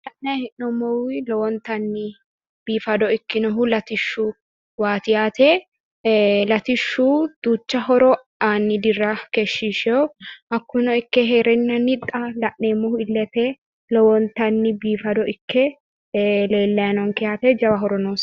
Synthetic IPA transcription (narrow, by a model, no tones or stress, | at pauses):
lɐʔnɐhɪnnɔmːɔwɪlɔwɔnt̪ɐnːɪ | b̥iːfɐd̪ɔɪkːɪnɔɦʊlɐt̪ɪʃːʊ | waːt̪ɪjaːt̪ɛ | lɐt̪ɪʃːud̪̥uːt͡ʃːɐɦɔɾɔ | aːnːɪd̪ɪrːɐkɛʃːiʃɛʔɐkːʊnɔɪkːɛɦeːɾɛnːɐnɪt̪ʼːɐlɐʔneːmːʊhʊɪlːɛt̪ɛ | lɔwɔnt̪ɐnːɪbiːfɐd̪ɔʔɪkʰːɛ | le̞ːlːɐjnɔŋkɛjaːt̪ɛd͡ʒɐwɐɦɔɾɔnoːs